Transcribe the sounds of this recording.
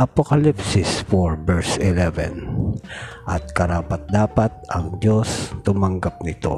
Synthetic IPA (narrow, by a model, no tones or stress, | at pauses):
ʔɐpokɐlipsɪsfoɹbɛɹsɪlɛvɛ̰n | ʔɐt̪̚kɐɾaːpɐt̪̚d̪aːpɐt̪̚ʔɐŋd͡ʒost̪ʊmɐŋɡap̚nɪt̪o̞̰